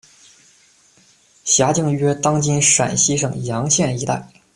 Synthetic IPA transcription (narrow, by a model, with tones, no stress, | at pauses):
ɕja˧˥t͡ɕi˥˧ŋɥɛ˥t̪ɑ˥ŋt͡ɕi˥nʂa̰˨˩nɕi˥ʂɤ˥˨˩ŋjɑ˧˥ŋɕjɛ˥˩ni˧˥t̪a̰˥˩ɪ